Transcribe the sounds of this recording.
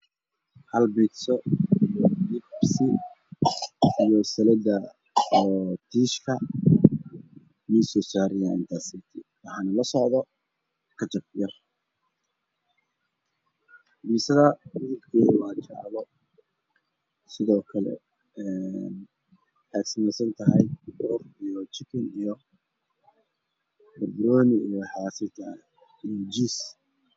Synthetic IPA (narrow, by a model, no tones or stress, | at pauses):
hɐlbidsɔijɔnɪbsɪ | ijɔsɐlɛd̪ɐ | ɔːt̪ʰiːʃkʰɐ | miːsɔːsaːɾɪjaɪnt̪ʰasɪːt̪ʰɪwɑħɑːnʊlɐsɔʕðɔ | kʰɐt͡ʃɐbjɐr | biːsɐðɐbʊðʊlkʰɛːðwɑːt͡ʃɑ̰ʕlɔ | sɪðɔːkʰɐlɛ̰ | ɛn | ħɑːt̪sɐmɛjsɐnt̪ʰɐɦɛjbʊʊrijɔt͡ʃɪkʰɪnijɔ | bɐrd̪ɾɔːnɪijħɑːsɪt̪ɐ | id͡ʒis